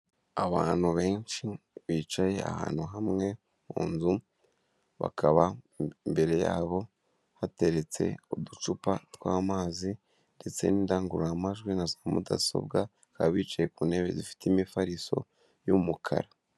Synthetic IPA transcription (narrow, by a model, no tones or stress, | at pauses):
aβaːn̥huβe̞ːnʃiβiːt͡ʃaje̞a̰ha̰ːn̥huɦamŋe̞ | mṵːnzu | βa̰kʰaβambe̞ɾe̞ja̰ːβo̞ | hate̞ɾe̞t͡se̞̰odut͡ʃupatwaːmaːzi | nde̞t͡se̞̰niːndaːŋɡuɾamaʒɡwinazaamṵda̰so̞̰bɡa | kaβit͡ʃaje̞kuːne̞βe̞̰zifi̥timifaɾiso̞̰ | jumukʰa̰ɾa